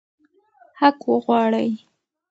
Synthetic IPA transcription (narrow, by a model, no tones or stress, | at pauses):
hakwəɣwɑɽəj